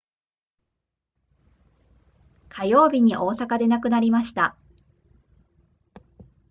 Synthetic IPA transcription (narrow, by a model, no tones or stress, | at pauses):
kʰajo̞ːbʲiɲ̟iʔo̞ːsakad̪e̞nakɯ̟naɾʲimaɕi̥t̪a